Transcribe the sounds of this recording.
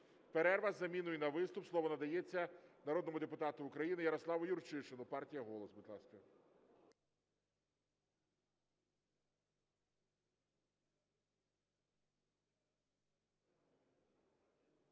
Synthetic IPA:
peɾɛrʋɐzːɐmʲinʊinɐʋɪst̪ʊpslˠɔʋɔnɐd̪ɐjet͡sʲːɐnɐɾɔd̪nɔmʊd̪epʊt̪ɑt̪ʊːkɾɐjinɪjɐɾɔslˠɑʋʊjʊrt͡ʃɪʃɪnʊpɑrtʲijɐɦɔlˠɔsbɪd̪lˠɑskɐ

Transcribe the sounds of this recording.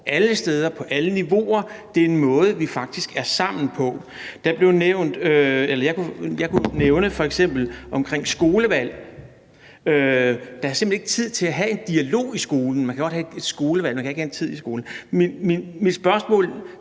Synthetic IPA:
ʔæləsd̥eːð̞ˠɐpʰɒ̽ʔæləniʋo̝̰ɐd̥e̝ɐe̝nmɔ̽ːð̞ˠəʋifɑ̈ɡ̥̚d̥isɡ̥æɐsɑ̈m̰n̩pʰɒ̽ | d̥ɑ̈b̥le̝ʊneʊ̰nd̥øelɐjɑ̈kʰujɑ̈kʰuneʊnəfɒ̽eɡ̥sem̰b̥l̩ʔɒ̽mkʰʁeŋ̰sɡ̥o̝ːləʋæl̰ | ød̥ɑ̈æɐse̝mb̥ene̝ɡ̥t͡sʰið̞̰ˠt͡sʰe̝læɦæe̝nd̥iælo̝̰ːisɡ̥o̝ːln̩mænkʰæɡ̥ɒ̽d̥̚hæd̥e̝d̥sɡ̥o̝ːləʋæl̰mænŋkʰæe̝ɡ̥hæent͡sʰið̞̰ˠisɡ̥o̝ːln̩mmemid̥sb̥ɶɐsmɔ̰̽ːl

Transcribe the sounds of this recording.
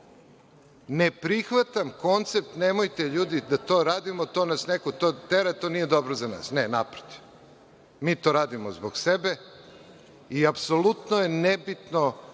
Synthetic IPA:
nepɾixʋat̪amko̞nt̪se̞p̚t̪neːmojt̪eʎuːd̪id̪at̪o̞ːɾaːd̪imot̪o̞ːnasnekot̪oːt̪eɾat̪o̞ːnijed̪o̞bɾozana̰ːsnenapɾot̪i̥ | miːt̪o̞ːɾaːd̪imozboɡsebe̞ | iapsolut̪noje̞nebit̪no̞

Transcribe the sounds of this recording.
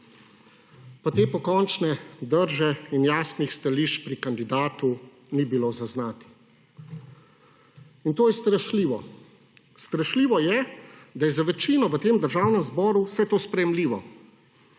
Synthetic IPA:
pat̪eːpɔkɔnt͡ʃnɛd̪əɾʒɛinjaːsnixst̪aliːʃt͡ʃpɾikand̪id̪aːt̪u | nibiloːzaznaːt̪i̥ | int̪oːjɛst̪ɾəʃliːʋɔ | st̪ɾɐʃliːʋɔjɛd̪ajɛzaʋɛt͡ʃiːnɔʋət̪eːmd̪əɾʒawnɛmzbɔːɾusɛt̪oːspɾɛjɛmliːʋɔ

